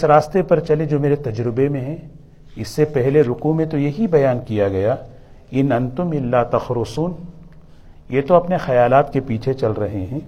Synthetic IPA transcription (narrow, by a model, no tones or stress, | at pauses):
ɪsɾaːst̪epɐɾt͡ʃɐled͡ʒoːmeːɾet̪ɐd͡ʒɾɪbemẽɦɛ̃ː | ɪsːepɛɦleɾʊkumẽt̪ojɐɦibɐjaːnkijaɡɐja | ɪnɐ̃nt̪ʊmɪlːaːt̪ɐxɾʊsuːn | jet̪oɐpnexɐjaːlaːt̪kepiːt͡ʃʰet͡ʃɐlɾɐɦeɦɛ̃ː